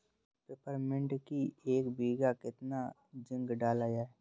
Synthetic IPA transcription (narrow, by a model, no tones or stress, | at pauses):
pɾɪpəɾmɪ̃ɳʈkieːkbiːɡakɪt̪na | d͡ʒɪ̃ŋɡɖaːlaːjaːɛ